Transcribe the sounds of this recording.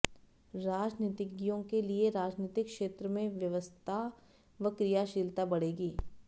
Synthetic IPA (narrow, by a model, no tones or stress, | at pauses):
ɾaːd͡ʒniːt̪ɪɡijõkelieɾaːd͡ʒniːt̪ɪkʃeːt̪ɾəmẽʋjɐʋəst̪ʰa | ʋɐkɾijaʃɪlt̪abɐɽeːɡiː